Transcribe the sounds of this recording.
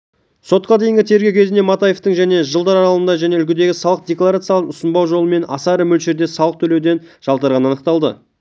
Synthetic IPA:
so̞t̪̚qɑd̪ejɪŋɡʲɪt̪ʰe̞ɾɡʲewkʲʰe̞znd̪e̞mɑt̪aje̞ft̪əɴŋʒæne̞ʒəlˠd̪ɑɾɑɾɑlˠənd̪ɑʒæne̞ʏlkʲɪd̪e̞ɡʲɪsɑlˠəq̚d̪e̞klˠaɾat̪sɨjɑlˠəqʊsənbɑwʒo̞lˠəme̞nɑ̰sɑɾəmɵlʃe̞ɾd̪e̞sɑlˠəq̚t̪ʰɵle̞wd̪e̞nʒ̥ɑlˠt̪ɑɾʁɑnəɑnəq̚t̪ɑlˠd̪ə̰

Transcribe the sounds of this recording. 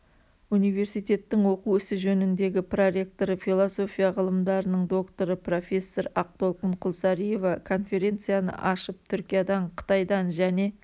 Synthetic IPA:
unijve̞ɾsijt̪e̞t̪ːɪŋwo̞quwʏsɪʒɵnɪnd̪e̞ɡʲɪproɾe̞k̚t̪o̞ɾəfilˠoso̞fʲijaʁəlˠəmd̪ɑɾənəɴd̪o̞kt̪o̞ɾəpro̞fʲe̞sːo̞ɾɑq̚t̪o̞lˠqəɴqʰʊlˠsɑɾije̞vɑkʰo̞nfe̞ɾʲe̞nt̪sɨjanə̰ʔɑʃəp̚t̪ʰʏɾkʲijad̪ɑɴqʰə̥t̪ɑjd̪ɑnʒæne̞

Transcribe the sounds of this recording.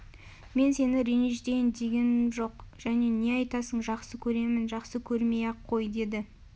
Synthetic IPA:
me̞nse̞nɪɾeneʒd̪ejɪnd̪e̞ɡʲe̞nʒo̞qʒ̥æne̞ne̞ɑjt̪ɑsəɴʒɑqsəkʲʰɵɾe̞mɪnʒɑqsəkʲʰɵɾme̞jɑqʰːo̞jd̪e̞d̪ɪ

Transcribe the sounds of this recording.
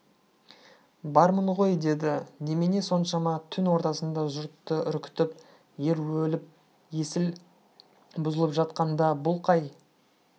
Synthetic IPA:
bɑɾməɴʁo̞jd̪e̞d̪ɪne̞mene̞so̞nʃɑmɑt̪ʰʏnwo̞ɾt̪ɑsənd̪ɑʒʊɾt̪ːəʏɾkʲɪ̥t̪ɪp | je̞ɾwɵlɪp̚ | je̞sɪl | bʊzəlˠəpʒɑt̪̚qɑnd̪ɑbʊlˠqʰɑj

